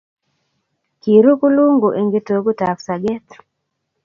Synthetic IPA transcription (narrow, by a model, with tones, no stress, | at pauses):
ki˨ɾu˦ku˦lu˦ŋɡo˨ʔe˨ŋɡe˦to˨ɡo˦ta˨fsa˨ɡɛ˦t̪